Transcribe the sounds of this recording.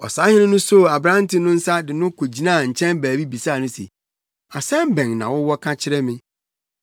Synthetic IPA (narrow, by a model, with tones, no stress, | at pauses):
ɔ̰˨saː˦hɪ˦ʊ̃˦nʊ̃˦so˦˨a˨bɾã˦n˦tʰɪ˦nʊ̃˦n̩˦sa˦dɪ˨nʊ̃˦kʰo˨d͡ʑi˨nã˦˨ɲ̩˨t͡ɕʰɛ̃˦nbæː˨bi˦bi˨saː˦˨nʊ̃˦sḛ˨ | a˨sɛ̃˦m˦bɛ̃˨ŋnã̰˨wʊ˦wɔ˦kʰã˦t͡ɕʰɪ˦ɾɛ˦mɪ̃˦